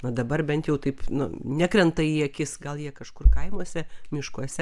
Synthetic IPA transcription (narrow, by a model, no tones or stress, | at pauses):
nʊd̪ɐbɐrbʲɛnt̪jɛʊt̪ɐɪpnʊ̰nʲækɾʲɛnt̪ɐiːɐkʲɪsɡɐlˠjiɛkɐʃkʊrkɐɪmuɔsʲɛmʲɪʃkuɔsʲɛ